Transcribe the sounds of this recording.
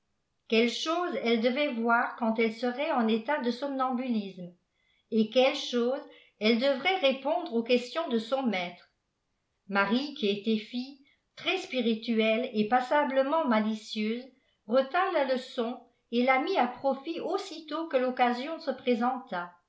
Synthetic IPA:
kɛlʃoːzɛld̪əvɛvwaːʁkɑ̃t̪ɛlsəʁɛɑ̃net̪ad̪əsɔmnɑ̃bylism | ekɛlʃoːz | ɛld̪əvʁɛʁepɔ̃d̪ʁokɛst̪jɔ̃d̪əsɔ̃mɛt̪χ | maʁikʲiet̪ɛfij | t̪χɛspiʁit̪yɛlepasabləmɑ̃malisjøːz | ʁət̪ãlaləsɔ̃ | elamiapχɔfiosit̪okəlɔkazjɔ̃səpχezɑ̃t̪a

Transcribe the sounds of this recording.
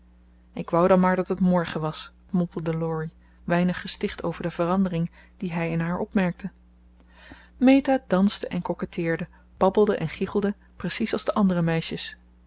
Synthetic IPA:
ʔɪkʋɑwdɑnmaːɹdɑtɦətmɔɹχəʋɑs | mɔmpəl̩ˠdəlɔɹi | ʋɛjnəχːəstɪχtʰo̰wvəɹdəvərɑndərɪŋ | d̥iɦɛjɪnɦaːɹʔɔpmɛɹk̚tʰə | mejtaːdɑnsdəʔɛnkɔkətʰɪːɹdə | b̥ɑbəl̩ˠdəʔɛnχiχəlˠdə | prəsisɑlˠzdəʔɑndərəmɛjʃəs

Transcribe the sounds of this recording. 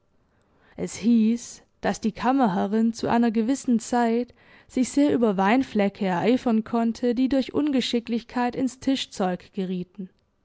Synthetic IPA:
ʔɛshiːs | d̥asd̥iːkʰaməɦəʁɪnt͡suʔa̰ɪnɐɡəvɪsn̩t͡saɪt | z̥ɪçz̥eːɐʔyːbɐvaɪnflɛkʰəɛɐʔaɪfɐnkʰɔntʰədiːdʊɐçʔʊ̰nɡəʃɪklɪçkʰaɪtɪnstʰɪʃt͡sɔʏkɡ̥əʁ̞iːtn̩

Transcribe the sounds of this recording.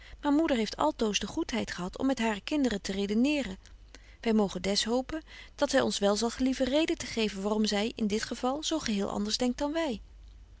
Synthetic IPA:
maːɹmudəɹɦejftɑ̰lˠtowzdəχutɦɛjtχəɦɑtʰɔ̰mːɛtɦaːrəkɪndərətərejdənɪːrən | ʋɛjmowχəndɛsɦowpənd̥ɑtsɛjɔnsʋɛlˠzɑlˠχlivərejdətəχejvənʋaːrɔmzɛjɪndɪtχəv̥ɑlˠz̥owχəɦɪːlˠʔɑ̰ndəɹzdɛŋk̚t̚dɑnʋɛj

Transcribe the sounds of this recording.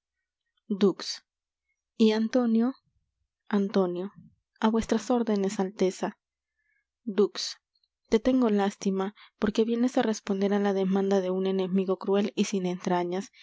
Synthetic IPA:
d̪uks | iant̪o̞njo̞ | ant̪o̞njo̞ | aβwe̞st̪ɾaso̞ɾðe̞ne̞salt̪e̞sa | d̪uks | t̪e̞t̪e̞ŋɡo̞last̪imapo̞ɾke̞βje̞ne̞sare̞spo̞nd̪e̞ɾalaðe̞mãnd̪aðe̞une̞ne̞miɣo̞kɾwe̞lisine̞nt̪ɾaɲas

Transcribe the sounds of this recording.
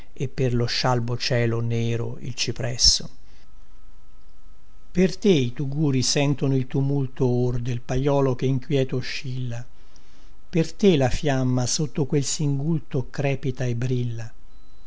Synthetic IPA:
epːerloʃːalbot͡ʃɛːloneːɾo̰ḭlt͡ʃipɾɛsːo | pert̪eit̪uɡuːɾisɛnt̪onoilt̪umult̪oord̪elpajɔːlok̟eiŋkwjɛːt̪oʃːilːa | pert̪elafjamːasot̪ːokwelsiŋɡult̪okɾɛːpit̪aebːɾilːa

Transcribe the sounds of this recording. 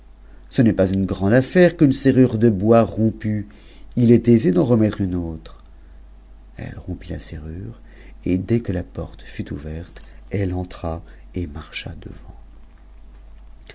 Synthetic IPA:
sənɛpazynɡʁɑ̃d̪afɛʁkynseʁyʁd̪əbwaʁɔ̃py | ilɛt̪ezed̪ɑ̃ʁəmɛt̪χynot̪χ | ɛ̰lʁɔ̃pila̰seʁyːʁ | ed̪ɛkəlapɔ̰ʁt̪fyt̪uvɛʁt̪ɛlɑ̃t̪χa | emaʁʃa̰d̪ə̰vɑ̃

